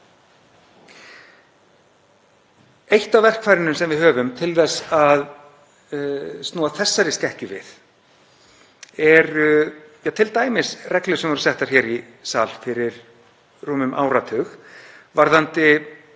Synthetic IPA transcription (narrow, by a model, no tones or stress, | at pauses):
ejht̪avvɛr̥kfaːjɾɪnʏmsɛmvɪðhœːvʏmt̪ʰɪlθɛsað | stnɔːaθɛsːaɾɪscɛhcʏvɪ̰ð | ɛɾjawt̪ʰɪlt̪aːjmɪsrɛklʏsɛmvɔɾʏ̥sɛht̪aɾ̥çɛːɾi | saːlfɪɾɪɾ̥ | ruːmʏmʔa̰ːwɾat̪ʰœxvaɾðant̪ɪ